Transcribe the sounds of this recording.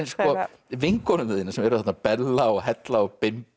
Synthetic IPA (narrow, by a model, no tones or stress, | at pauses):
nskɔ | vɪŋkɔnʏɪːðɪnasɛmɛɾʏθɛt̪napɛlːaɔhɛt̪laɔpɪm